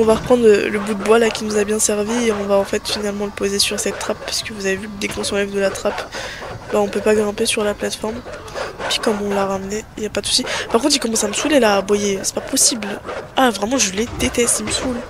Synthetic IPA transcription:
ɔ̃vaʁəpχɑ̃d̪ʁlələbud̪əbwalakʲinuzabjɛ̃sɛʁvieɔ̃vaɑ̃fɛt̪finalmɑ̃ləpozesyʁsɛt̪ːχapːaskəvuzavevykəd̪ekɔ̃sɑ̃lɛvd̪əlat̪χapbaɔ̃pøpaɡʁɛ̃pesyʁlaplat̪fɔʁm | pɥi̥kɔmɔ̃laʁamnɛiljapad̪əsu̥sipaʁkɔ̃t̪ilkɔmɑ̃saməsulelaːbwajesɛ̥papɔsiblavʁɛmɑ̃ʒəled̪et̪ɛst̪iməsul

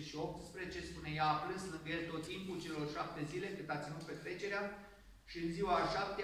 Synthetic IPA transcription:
ʃio̞p̚t̪spɾet͡ʃe̞spune̞jaːpɾɨnslɨŋɡəje̞lt̪o̞t̪ːimpult͡ʃe̞lo̞rʃap̚t̪e̞zile̞kɨnd̪at̪sʲinut̪̚pe̞t̪ɾe̞t͡ʃe̞ɾea | ʃiɨnziwaʃap̚t̪e

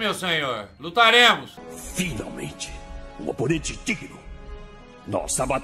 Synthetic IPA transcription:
mewsẽɲoɾlut̪aɾẽmʊsfina̰wmḛ̃nt͡ʃɪ̥ṵ̃o̰ponẽnt͡ʃɪt͡ʃ̪ikid̪ʊ | nɔ̰sabat̪

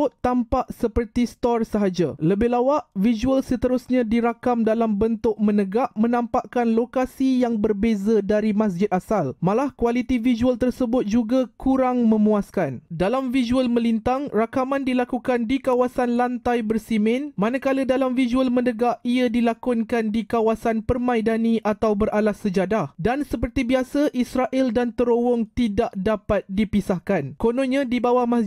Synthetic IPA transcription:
ʊtt̪ːampaʔsəpərt̪ist̪ɔrsəɦad͡ʒaləbɪɦlawaʔʔvizuəlsət̪əɾʊsɲãdiɾakamdalambənt̪ʊk̚mə̃nəɡaʔmə̃nãmpaʔkanlokasijaŋbərbezadaɾimas̬d͡ʒɪt̪̚asalmãlahkwalit̪ivid͡ʒualt̪ərsəbʊt̪̚d͡ʒuɡakʰuɾaŋmə̃mũaskandalamvizuəlmə̃lint̪aŋrakamãndilakukandikawasanlant̪ajbərsimɪ̃nmanakalədalamvizuəlmə̃ndəɡaʔiadilakʊnkandikawasanpərmãidanĩʔat̪awbəralasəd͡ʒadahdansəpərt̪ibiasaʔisɾaʔɪldant̪əɾowɔŋt̪idaʔdapat̪̚dipisahkankonɔ̃ɲãdibawahmas

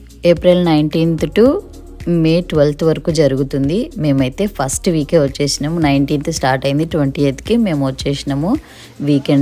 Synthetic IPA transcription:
eːpɾelnɐjɳʈiːnt̪ʈu | meːʈʋɐlt̪ʰʋɐɾɐkuːd͡ʒɐɾuɡut̪und̪ime̞ːmɐjt̪e̞ːpʰɐsʈʋiːkeːʋɐt͡ʃːeːsinɐmunɐjɳʈiːnt̪sʈaːɾʈɐjind̪iʈʋɐɳʈiet̪kime̞ːmuʋɐt͡ʃːeːsinɐmu | ʋiːkeɳɖ

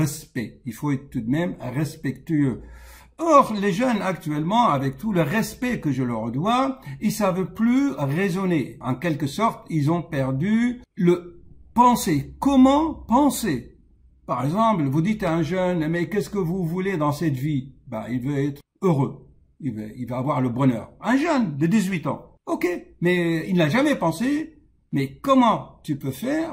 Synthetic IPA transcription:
ɛspɛilfoɛt̪χət̪ud̪mɛmʁɛspɛkt̪yø | ɔʁleʒœnakt̪ɥɛlmɑ̃avɛk̚t̪uləʁɛspɛkəʒələʁd̪wailsavplyʁezɔneɑ̰̃kɛlkəsɔʁt̪ilzɔ̃pɛʁd̪yləpɑ̃sekɔmɑ̃pɑ̃se | paʁɛɡzɑ̃plvud̪it̪aɛ̃ʒœnmɛkʲɛskəvuvuled̪ɑ̃sɛt̪viba̰ilvøɛt̪χ | øʁø | ilvəilvaːvwaʁləbʁənœ̰ːʁɛ̃ʒœnd̪əd̪izɥit̪ɑ̰̃ | ɔkʲemɛilnaʒamɛpɑ̃se | mɛkɔmɑ̃t̪ypøfɛːʁ

